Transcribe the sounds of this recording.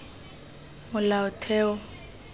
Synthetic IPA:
mʊlaʊtʰɛːɔ

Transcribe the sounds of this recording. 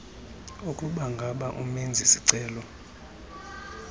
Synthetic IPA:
ukʼuɓaŋɡʱaɓaʔumind͡zʱisiǀɛːlɔ

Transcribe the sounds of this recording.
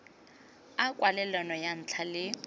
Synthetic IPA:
akʼwalɛlanɔjan̩t͡ɬʰalɪ

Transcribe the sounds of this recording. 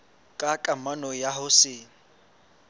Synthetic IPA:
kʼakʼamanɔjahʊsɪ

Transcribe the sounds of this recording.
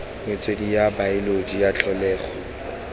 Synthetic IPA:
ŋɪt͡sʼwedijabaɪlodijat͡ɬʰɔlɛːχɔ

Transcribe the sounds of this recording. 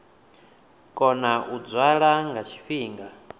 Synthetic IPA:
kʼɔnaʔud͡zwaɺaŋɡat͡ʃʰi̥ɸiːŋɡa

